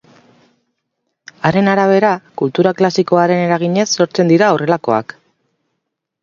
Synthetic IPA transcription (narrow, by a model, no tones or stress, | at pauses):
aɾe̞naɾaβ̞e̞ɾakult̪uɾaklasiko̞aɾe̞ne̞ɾaɣ̞iɲe̞sːo̞ɾt͡se̞nd̪iɾao̞re̞lako̞a̰k